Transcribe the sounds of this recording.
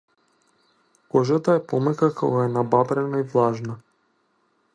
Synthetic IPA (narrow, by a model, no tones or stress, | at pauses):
kɔʒat̪aɛpɔmɛkakʰɔ̰ɡaɛnababɾɛnaivlˠaʒna